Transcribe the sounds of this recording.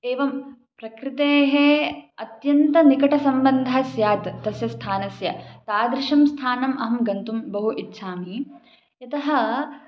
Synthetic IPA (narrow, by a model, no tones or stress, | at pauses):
eːʋɐm | pɾɐkɾɪt̪eːɦeɐt̪jɐnt̪ɐnikɐʈɐsɐmbɐnd̪ʱɐsjaːt̪ːɐsjɐst̪ʰaːnɐsjɐt̪aːd̪ɾɪʂɐmst̪ʰaːnɐmʔɐɦɐmɡɐnt̪umbɐɦuʔitːʃʰaːmi | jɐt̪ɐɦɐ̆